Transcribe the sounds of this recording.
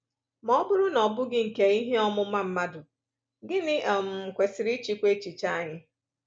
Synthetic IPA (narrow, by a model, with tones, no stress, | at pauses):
mɔ˦bʊ˦ɾʊ˦nɔ˨bʊ˦ɡɪ˦ŋ̩˨ke˨i˦ɦe˦ɔ˦mʊ˦ma˦m̩˦ma˦dʊ˨ | ɡɪ˦nɪ˦ʔa˨m̩˨m̩˨kʷe˨sɪ˨ɾi˦t͡ʃi˦kʷe˦t͡ʃi˨t͡ʃa˦a˦˨ɲɪ˦